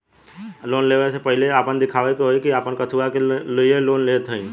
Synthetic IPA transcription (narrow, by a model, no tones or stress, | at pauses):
loːnleːʋəsepəɦɪleaːpənd̪ɪkʰaːʋekɦoekiaːpənkət̪ʰuakelieloːnleːt̪ʰəĩː